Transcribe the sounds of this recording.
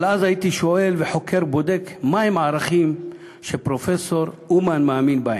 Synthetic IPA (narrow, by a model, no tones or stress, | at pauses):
lazajit̪iʃoʔelveħokʰeʁbod̪ekmahemʕaʁaχim | ʃepʁofeso̞ɾʔumanmaːminbae